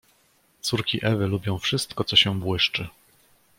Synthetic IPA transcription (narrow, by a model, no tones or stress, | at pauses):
t̪suɾkʲiʔɛvɘlubʲjɔ̃w̃fʂɘst̪kɔt̪sɔɕɛbwɘʂt͡ʂɘ